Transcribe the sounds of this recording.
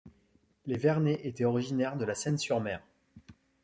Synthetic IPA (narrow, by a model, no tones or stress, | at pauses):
levɛʁneʔet̪ɛɔʁiʒinɛʁd̪əlasɛnsyʁmɛːʁ